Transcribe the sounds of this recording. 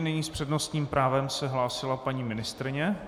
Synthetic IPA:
nɪɲiːspr̝̥ɛdnost̪ɲiːmpɾʔaːvɛmsɛɦlaːsɪlapaɲiːmɪnɪst̪ɾɪɲɛ

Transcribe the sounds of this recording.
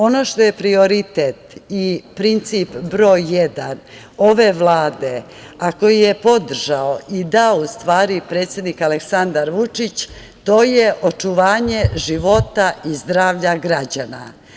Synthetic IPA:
o̞no̞ʃt̪o̞je̞pɾio̞ɾit̪et̪ipɾint̪sipbɾoːjːed̪an | o̞ʋe̞ʋlˠaːd̪e̞ | ako̞jijepo̞d̪r̩ʒaoʔid̪aoust̪ʋaːɾipɾe̞ːt̪sʲje̞d̪nikaleksand̪aɾʋut͡ʂit͡ɕ | t̪o̞ːjeʔot͡ʂuʋaːɲe̞ʒiʋo̞t̪aizd̪ɾaːʋʎaɡɾad͡ʑana̰

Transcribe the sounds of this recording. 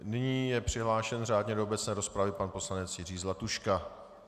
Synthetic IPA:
nɪɲiːjɛpr̝̥ɪɦlaːʃɛnr̝aːdɲɛdoobɛt͡snɛːɾo̞spɾavɪpanpo̞slanɛt͡sjɪriːzlat̪uʃka

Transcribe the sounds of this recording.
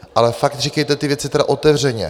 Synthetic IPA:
ʔalɛfak̚t̪riːkɛjt̪ɛt̪ɪvjɛt͡sɪt̪ɛɾa̰ʔo̞t̪ɛvr̝ɛɲɛ̰

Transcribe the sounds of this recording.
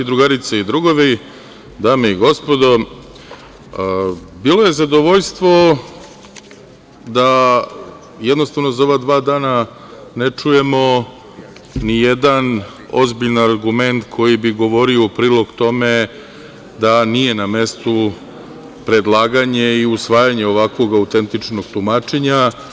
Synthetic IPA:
id̪ɾuɡaɾit̪seid̪ɾuɡoʋi | d̪aːmeiɡo̞spo̞d̪o̞ | biːlo̞je̞zad̪o̞ʋo̞ʎst̪ʋo̞ | d̪a | jed̪nost̪aʋno̞zao̞ʋad̪ʋaːd̪aːna | net͡ʂuje̞mo̞ | nijed̪an | o̞̰zbiʎnaɾɡume̞nt̪kʰo̞jibiɡo̞ʋo̞ɾioupɾiːlo̞ɡt̪o̞me | d̪anije̞name̞st̪u | pɾe̞d̪lˠaːɡaɲeiusʋaːjaɲeo̞ʋakʋo̞ɡaut̪e̞nt̪it͡ʂno̞ɡt̪umaːt͡ʃeɲa

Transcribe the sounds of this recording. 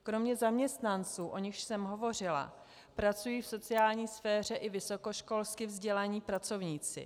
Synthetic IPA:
kɾo̞mɲɛzamɲɛst̪nant͡suːʔo̞ɲɪxʃsɛmɦo̞vo̞r̝ɪla̰ | pɾat͡sujiːfso̞t͡sɪjaːlɲiːsfɛːr̝ɛʔɪvɪso̞ko̞ʃko̞lskɪvzɟɛlaɲiːpɾat͡so̞vɲiːt͡sɪ̰

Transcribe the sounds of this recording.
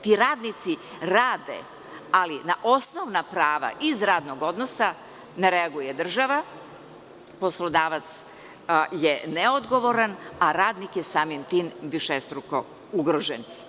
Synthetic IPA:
t̪iɾaːd̪nit̪si | ɾaːd̪ḛ | alinaʔo̞snoʋnapɾaːʋa̰ʔizɾaːd̪noɡo̞d̪nosa | neɾeaɡujed̪r̩ʒaʋa | po̞slˠod̪aːʋat̪s | jeneo̞d̪ɡo̞ʋo̞ɾanaɾaːd̪nikjesaːmimt̪iːmʋiʃest̪ɾuko | uɡɾoʒen

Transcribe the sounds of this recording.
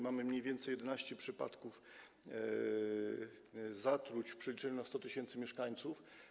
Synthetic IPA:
mamɘmɲejvʲjɛnt̪sɛjɛd̪ɛnaɕt͡ɕɛpʂɘpa̰t̪kuf | zat̪ɾut͡ɕpʂɛlʲit͡ʂɛɲunast̪ɔt̪ɘɕɛnt̪sɘmʲjɛʂkaɲt̪suf

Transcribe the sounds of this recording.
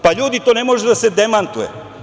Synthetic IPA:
paʎuːd̪it̪oːnemoʒed̪ased̪emant̪ujḛ

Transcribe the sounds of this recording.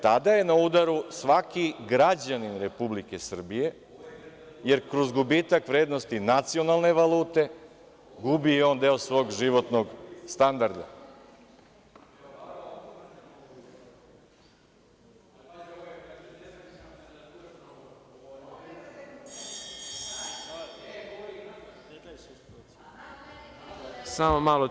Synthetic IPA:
t̪ad̪aje̞naud̪aɾusʋakiɡɾad͡ʑaninɾe̞publike̞sr̩bije̞ | je̞ɾkɾozɡubiːt̪akʋɾeːd̪no̞st̪inat̪sio̞nalˠne̞ʋaluːt̪e̞ | ɡubijeo̞ːnd̪eosʋo̞ːɡʒiʋo̞t̪noɡst̪and̪aɾd̪a̰ | samomalo

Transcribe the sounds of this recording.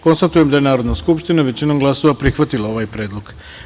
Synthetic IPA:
ko̞nst̪at̪ujemd̪ajenaːɾo̞d̪naskupʃt̪inaʋe̞t͡ɕinomɡlˠaso̞ʋapɾixʋat̪ilao̞ʋaːjpɾe̞ːd̪lˠoɡ

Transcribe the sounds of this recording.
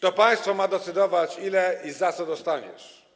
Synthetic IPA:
t̪ɔpaj̃st̪fɔmad̪ɛt̪sɘd̪ɔvat͡ɕilɛizat̪sɔd̪ɔst̪aɲɛ̰ʂ

